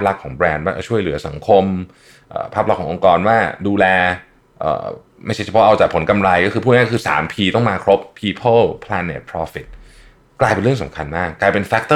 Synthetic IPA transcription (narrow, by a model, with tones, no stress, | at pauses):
a˥p̚la˦˥kʰːɔː˩˦ŋbɾɛː˧nwaː˥˩˧t͡ɕʰu˥˩əjlɯ˩˦sa˩˦ŋkʰo˧m | ʔa̰ː˨˩pʰa˦˥p̚la˦˥kʰːɔː˩˦ŋʔo˧ŋkɔː˧nwaː˥˩duː˧lɛː˧ | ʔə̰ː˨˩ | ma˥˩jt͡ɕʰa˥˩t͡ɕʰa˧pʰɔ˦˥ʔa˧wt͡ɕaː˨˩kpʰo˩˦nka˧mɾa˧jkɔː˥˩kɯ˧pʰu˥˩ŋaː˥˩kʰɯː˧sa̰ː˩˦mpʰiː˧t̪ɔ˥˩ŋmaː˧kʰɾo˦˥pʰːiː˧pʰɤ˥˩lpʰlɛː˧nḛ˨˩t̪̚pʰɾɔː˧˥fi˨˩t̪̚ | kːlaː˧jpe˧nɾɯ˥˩əŋsa̰˨˦mkʰa˧nmaː˥˩kːaː˧jpe˧nfɛ˦˥k̚t̪ɤ˥˩